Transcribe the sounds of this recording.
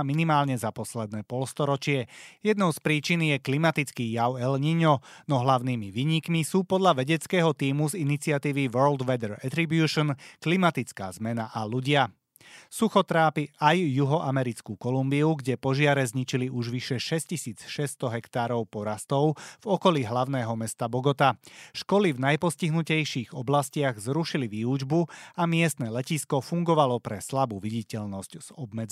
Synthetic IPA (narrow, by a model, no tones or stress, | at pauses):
minimaːlɲɛzapɔslɛd̪̚nɛːpɔlst̪ɔɾɔt͡ʃɪɛjɛd̪nɔʊspɾiːt͡ʃinjɛklimat̪it͡skiːjaʊɛlɲiɲɔnɔɦlaʊniːmiʋiːɲikmisuːpɔd̪ʎaʋɛɟɛt͡skɛːɦɔt̪iːmuzinit͡sɪat̪iːʋiʋɜːld̪ʋɛd̪ɛɾɛ̰t̪ɾibjuːʃɔnklimat̪it͡ska̰ːzmɛnaʔaluɟɪa | suxɔt̪ɾaːpiʔajːuɦɔʔamɛɾit͡skuːkɔlumbiuɡɟɛpɔʒɪaɾɛzɲit͡ʃiliʔuʒʋiʃɛʃɛscisiːt͡sʃɛst̪ɔɦɛkt̪aːɾɔʊpɔɾast̪ɔʊvɔkɔliːɦlaʊnɛːɦɔmɛst̪abɔɡɔt̪aʃkɔlivnajpɔsciɦnucɛjʃiːɣɔblascɪaɣzɾuʃiliʋiːud͡ʒbuamɪɛst̪nɛːlɛciskɔfuŋɡɔʋalɔpɾɛslabuːʋiɟicɛʎnɔscz̥ɔbmɛd͡z